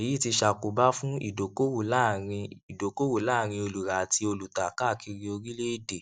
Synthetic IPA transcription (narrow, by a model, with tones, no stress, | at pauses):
e˨i˨˦˨ti˧ʃa˨ku˨ba˦fũ˦ḭ˦˨do˨ko˦wu˨la˦˨ɾĩ˧i˨do˨˦ko˦wu˦˨la˦˨ɾ̃ĩ˧o˧lu˨ɾa˨tʰi˧o˧lu˨ta˨ka˦˨kʰi˧ɾi˧o˧ɾi˦le˦i˦˨de˨